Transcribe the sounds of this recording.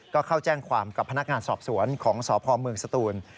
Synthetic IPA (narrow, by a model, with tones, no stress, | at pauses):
kɔː˥˩kʰa˥˩wt͡ɕɛː˥˩ŋkʰwaː˧mka˨˩pʰːa˧na˦˥k̚ŋaː˧nsɔː˨˩p̚su˩˦ənkʰɔː˩˦ŋsɔː˩˦pʰɔː˧mɯ˧əŋsa˧t̪uː˧n